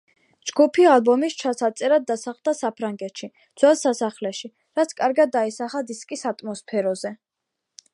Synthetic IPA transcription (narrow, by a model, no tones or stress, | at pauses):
d͡ʒɡupʰialˠbɔmist͡ʃʰasat̪sʼɛɾad̪ːasaχld̪asapʰɾaŋɡɛt̪ʃi | d̪z̥wɛlˠsasaχlɛʃi | ɾat̪sʰkʼaɾɡad̪ːaisaχad̪iskʼisat̪ʼmɔspʰɛɾɔzɛ